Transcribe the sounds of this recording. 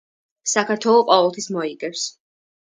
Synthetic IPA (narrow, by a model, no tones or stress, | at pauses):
sakʰaɾt̪ʰwɛlˠɔqʼɔvɛlˠt̪ʰismɔiɡɛɾs